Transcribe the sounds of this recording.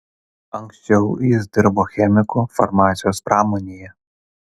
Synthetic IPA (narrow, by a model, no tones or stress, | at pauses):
ɐŋksʲt͡ʃʲɛʊjɪsd̪ʲɪɾboːxʲɛmʲɪkʊfɐɾmɑːt̪sʲɪjoːspɾɑːmonʲijɛ